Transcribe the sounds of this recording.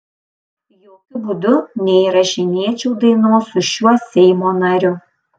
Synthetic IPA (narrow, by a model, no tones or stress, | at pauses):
joːkʲʊbʊd̪ʊnʲɛiɾɐʃʲɪnʲiɛt͡ʃʲuʊd̪ɐɪnoːsʊʃʲuɔsʲɛɪmoːnɐɾʲʊ